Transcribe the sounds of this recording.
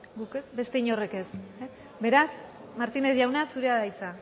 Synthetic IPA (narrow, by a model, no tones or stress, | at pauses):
ɡuke̞sbe̞st̪e̞iɲo̞re̞ke̞s | be̞ɾas | maɾt̪ine̞zʝawnasuɾe̞aðait͡sa